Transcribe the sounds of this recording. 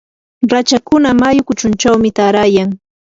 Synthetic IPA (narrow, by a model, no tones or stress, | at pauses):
ɾat͡ʃakʊnamajʊkʊt͡ʃʊnt͡ʃawmɪt̪aɾaːjaŋ